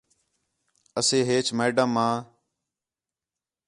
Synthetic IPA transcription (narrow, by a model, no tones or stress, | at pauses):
əseːɦeːt͡ʃʰmeːɖəmːãː